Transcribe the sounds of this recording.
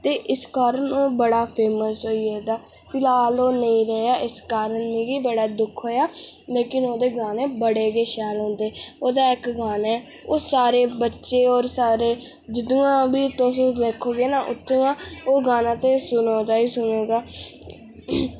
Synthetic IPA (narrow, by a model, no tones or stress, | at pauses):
t̪eːʔɪskaːɾənoːbəɽaːpʰeːməsɦoːieːd̪aː | pʰɪlaːloːnəĩːɾɛɦeaːʔɪskaːɾənːiːbiːbəɽaːd̪ʊkʰɦoːjaːleːkɪnoːd̪eːɡãːneːbəɽeːɡeːʃɛːlɦõːnd̪eːoːd̪aːɪkɡaːnɛː | oːsaːɾeːbətːʃeːɔːɾsaːɾeː | d͡ʒɪd̪uːãːbiːʊt̪ːõsõːleːkʰːoːɡeːnaːʔʊ̰t̪ʰːõːãːoːɡaːnãːt̪ẽːsʊnõːd͡ʒ̪aːiːsʊneːɡaː